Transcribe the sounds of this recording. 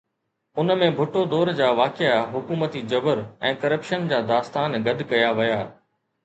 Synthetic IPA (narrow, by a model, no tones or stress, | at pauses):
ʊnmẽbʱʊʈod̪ɔːɾd͡ʑaːʋaːkɪaɦʊkuːmət̪id͡ʑɐbəɾɛ̃ːkɐɾəpʃənd͡ʑaːd̪aːst̪aːnɡɐd̪ʱkɐjaʋɪjaː